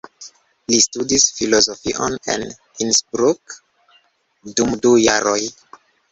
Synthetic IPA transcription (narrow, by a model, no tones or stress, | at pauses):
listudisfilo̞zofiʔone̞̰n | insbɾuk | dumduja̰ɾo̞j